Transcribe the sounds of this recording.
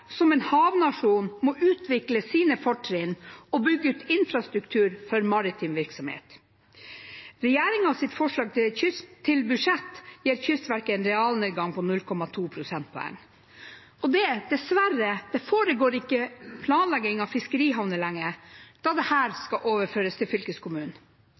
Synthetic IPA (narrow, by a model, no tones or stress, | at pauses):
sɔmɛnhɑːʋnɑʂuːnmɔʔʉːt̪ʰʋɪkləsiːnəfɔʈʰːɾɪnɔbʏɡːəʉːt̪ɪnfɾɑst̪ɾʉkt̪ʰʉːɾfɔɾmɑɾɪt̪ʰɪmʋɪɾksɔmhḛːt̪ | ɾɛjæːɾɪŋɑʋsɪt̪fɔʂɭɑːɡ̚t̪ʰɪçʏst̪ʰːɪlbʉʂɛt̪ːjiːɾçʏst̪ʋæɾkəɛnɾɛɑːlneːd̪ɡɑŋpʰɔnʉlkʰɔmɑt̪ʰuːpʰɾʊsɛnt̪̚pʰɔ̰ɛ̰ŋ | ɔd̪ɛd̪̥ɛsʋæɾəd̪̥ɛfoːɾəɡoːɾɪkːəpʰlɑːnlæɡɪŋɑʋfɪskəɾiːɦɑʋnəlæŋːəd̪̥ɑːd̪ɛhæːɾskɑʔoːʋəɾføːɾəst̪ʰɪlfʏlkəskʰʊmʉːn